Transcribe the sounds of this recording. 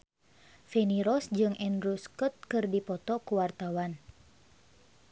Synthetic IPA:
feniɾɔsd͡ʒɨŋʔɛndɾuskɔt̪̚kɨrdipɔt̪ɔkuwart̪awan

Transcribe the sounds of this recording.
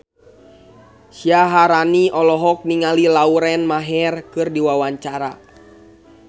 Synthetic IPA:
siaɦaɾaniʔɔlɔɦɔk̚niŋalilauɾɛnmaɦɛrkɨrdiwawaɲt͡ʃaɾa̰

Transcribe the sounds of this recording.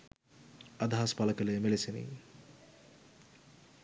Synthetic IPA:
ad̪ʱaɦaspaləkələjəmelesenḭ

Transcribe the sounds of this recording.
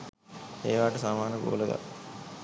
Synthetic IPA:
eːʋaːʈəsaːmaːnəɡo̰ːləɡa̰

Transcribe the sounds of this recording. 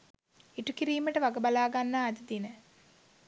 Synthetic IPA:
iʈukiɾiːməʈəʋaɡəbalaːɡanːaːd̪əd̪inə

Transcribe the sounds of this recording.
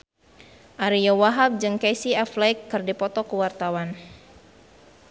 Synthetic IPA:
ʔaɾijɔwaɦab̚d͡ʒɨŋkejsiaflajkːɨrdipɔt̪ɔkəwart̪awan

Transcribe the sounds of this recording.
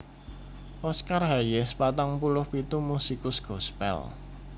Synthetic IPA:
ʔɔskarɦajɛspat̪aŋpulʊhpit̪umusikʊsɡ̥ɔspɛ̰l

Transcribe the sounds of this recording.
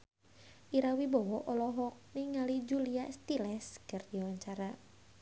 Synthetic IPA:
ʔiɾawibɔwɔʔɔlɔɦɔk̚niŋalid͡ʒuliast̪ilɛskərd̥iwaɲt͡ʃaɾa

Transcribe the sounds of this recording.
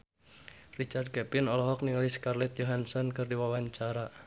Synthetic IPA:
rit͡ʃard̪̚kɛpɪnɔlɔɦɔk̚niŋaliskarlɛt̪̚joɦansɔnkɨrdiwawaɲt͡ʃaɾa

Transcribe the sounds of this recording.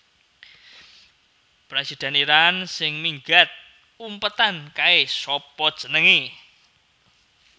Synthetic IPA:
pɾesid̪̥ɛ̤niɾansɪŋmiŋɡat̪̚ | umpət̪ankaesɔpɔd̥ə̤nəŋi

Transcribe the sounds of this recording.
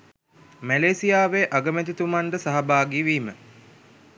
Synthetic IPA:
mæleːsijaːʋeʔaɡəmæt̪it̪umaɳɖəsaɦɐbaːɡiʋiːmə

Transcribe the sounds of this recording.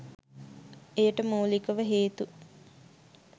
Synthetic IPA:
ejəʈəmoːlikəʋəɦeːt̪u

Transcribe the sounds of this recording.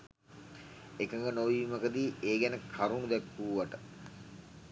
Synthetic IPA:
ekəŋɡənoʋiməkəd̪iːʔeːɡɛnəkʰaɾunud̪ɛkːuːʋaʈə

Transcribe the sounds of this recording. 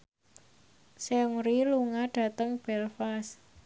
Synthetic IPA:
sɛuŋɾiluŋaɖ̥ä̤t̪əŋb̥ɛlfas

